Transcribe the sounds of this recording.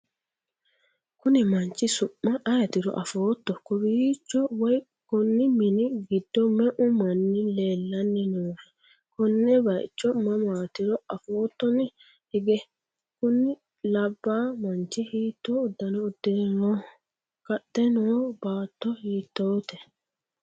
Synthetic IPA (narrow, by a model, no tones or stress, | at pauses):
kʊnɪmɐnt͡ʃːɪsʊmːɐʔɐjɐt̪ɪɾɔ̰ʔɐfoːt̪ːɔkʊbit͡ʃːɔwɐj | kʊnːɪmɪnɪɡɪd̪ːɔmɛʔʊmɐnːɪleːlːɐnːɪnuːfɛ̥ | kʊnːɛbɐʔɪ̰t͡ʃːɔmɐmaːt̪ɪɾɔɐfoːt̪ːɔnɪ | hɪɡɛ | kʊnːɪ | lɐbːaːmɐnt͡ʃːɪhiːt̪ːoːd̪ːɐnɔʊd̪ːɪnɛno | kɐtːɛnobaːt̪ːɔhiːt̪ːoːt̪ɛ